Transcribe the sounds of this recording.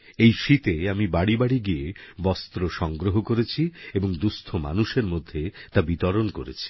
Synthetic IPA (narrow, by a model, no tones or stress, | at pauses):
ejʃit̪eamibaɽibaɽiɡijebɔst̪ɾoʃɔŋɡɾoɦokoɾet͡ɕʰieboŋd̪ust̪ʰoma̰nuʃeɾmod̪ʱːet̪abit̪ɔɾonkoɾḛt͡ɕʰi̥